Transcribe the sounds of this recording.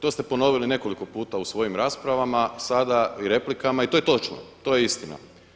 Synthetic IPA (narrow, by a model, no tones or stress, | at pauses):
t̪o̞st̪e̞po̞no̞ʋiline̞ko̞liko̞puːt̪ausʋo̞jimɾaːspɾaʋamasad̪aiɾe̞plikamait̪oje̞t̪o̞t͡ʃno̰t̪o̞jeist̪ina̰